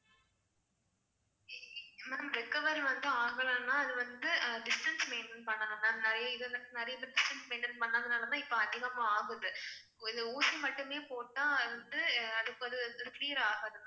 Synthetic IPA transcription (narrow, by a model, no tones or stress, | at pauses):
naːmɾɪkːɐʋɐɾʋɐnd̪ɯaːɣɐɭɐ̃nãːɐðɯʋɐnd̪ɯɖɪsʈɐnsmeːnɖɪnpɐɳːɐlɐ̃nːaːɐðnɪɾɐjɐɪðɐɐnɪɾɐjɐɪt̪ːɐɖɪsʈɐnsmeːɳɖɪnpɐɳːaːɐðɯnaːlɐnãːɪpːɐɐðɪɣɐmãːaːɣɯðɯ | ɪðɯuːsimɐʈːɯmeːpoːʈːãːʋɐnd̪ɯɐðɯpːɐðɯkliːɾaːɣɐðɯnːa